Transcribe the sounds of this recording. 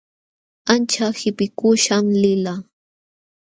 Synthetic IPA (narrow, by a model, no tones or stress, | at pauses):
ant͡ʃahɪpɪkʊʃamlɪla